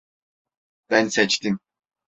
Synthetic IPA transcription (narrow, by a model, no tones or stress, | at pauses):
b̥ænsɛt͡ʃt̪im